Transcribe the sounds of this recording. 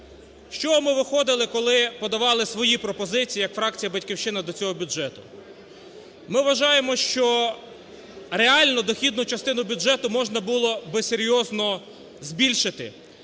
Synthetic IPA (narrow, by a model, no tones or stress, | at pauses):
ʃt͡ʃɔɦɔmɪʋɪxɔd̪ɪlˠɪkɔlˠɪpɔd̪ɐʋɑlˠɪsʋɔjipɾɔpɔzɪt͡sʲijːjɐkfɾɑk̚t͡sʲijɐbɐtʲkʲiwʃt͡ʃɪnɐd̪ɔt͡sʲɔɦɔbʲuʒɛt̪ʊ | mɪʋʋɐʒɑjemɔʃt͡ʃɔ | ɾeɑlʲnɔd̪ɔxʲid̪nʊt͡ʃɐst̪ɪnʊbʲudʒɛt̪ʊmɔʒnɐbulˠɔbesʲeɾʲjɔznɔ | zbʲilʲʃɪt̪ɪ̰